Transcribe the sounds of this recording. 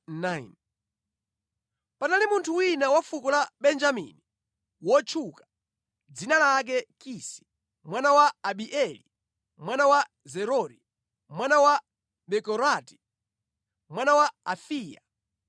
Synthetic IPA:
nain | panalimuntʰuwinawafukɔlaɓɛnd͡ʒamḭni | wɔt͡ʃʰukḁ | d͡zinalak̬ɛkisi̥ | mwanawaːɓiʔɛlḭ | mwanawa | zɛɾɔɾi | mwanawa | ɓɛkɔɾati̥ | mwanawaafiːja

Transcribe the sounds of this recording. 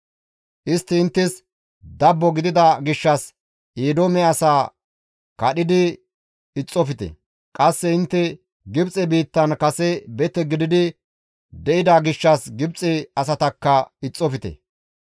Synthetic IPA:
ʔɪst̪ːɪːnt̪ːɪs | d̪ɐbːɔɡɪd̪ɪd̪ɐɡɪʃːɐs | ʔeːd̪oːmɛɐsaː | kɐɗɪd̪ɪ | ɪt͡sʼːɔfɪt̪ɛ̰ | kʼɐsːɛɪnt̪ːɛ | ɡɪbt͡sʼɛbiːt̪ːɐnkɐsɛbɛt̪ːɛɡɪd̪ɪd̪ɪ | d̪ɛʔɪd̪aɡɪʃːɐsɡɪbt͡sʼɛɐsɐt̪ɐkːɐɪt͡sʼːɔfɪt̪ɛ̰

